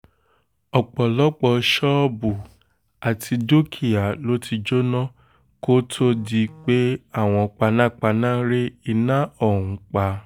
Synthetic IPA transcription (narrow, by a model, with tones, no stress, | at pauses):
ɔ˨k͡pɔ˨lɔ˦k͡pɔ˧ʃɔ˦bu˨ | a˨tʰi˧do˦kʰi˨a˨lo˨˦ti˧d͡ʒo˦nɔ̃˦ | ko˦tʰo˦di˧k͡pe˦a˦˨w̃ɔ̃˧ɔ˧k͡pa˧nã˦˨k͡pa˧nãː˦ɾe˦i˧nã˦ɔ˦˨ũ˨˦k͡pa˧